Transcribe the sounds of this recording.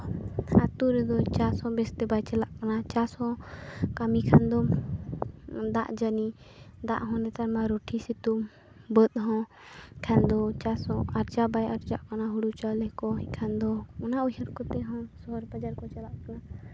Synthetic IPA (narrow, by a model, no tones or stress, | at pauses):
at̪uɾɛd̪ɔt͡ʃasɔ̃bɛst̪ɛbajt͡ʃɛlaʔkanat͡ʃashɔ̃kamikʰand̪ɔ | d̪a̰ʔd͡ʒəni | d̪aʔɦɔ̃nɛt̪aɾmaɾoʈʰisit̪um | bət̪̚ɦɔ̃ | kʰɛnd̪ɔt͡ʃasɔ̃aɾd͡ʒabajaɾd͡ʒaʔkanaɦuɽut͡ʃalɛkɔɦɛ̃kʰand̪ɔɔnaʔujɦəɾkɔt̪ɛɦɔ̃sɔɦɔɾbad͡ʒaɾkɔt͡ʃalaʔkana